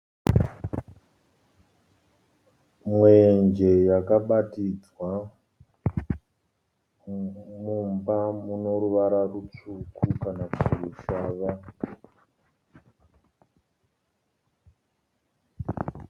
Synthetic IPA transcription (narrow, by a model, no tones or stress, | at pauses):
mwe̞nd͡ʒe̞jakaɓatid͡zwa | mumbamuno̞ɾuʋaɾarut͡ʂukʰukanakuruʃaːʋa